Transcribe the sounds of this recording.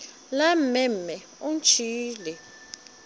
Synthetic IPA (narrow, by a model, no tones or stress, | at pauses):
lam̩ɛmmːɛ | unt͡ʃʰiːlɛ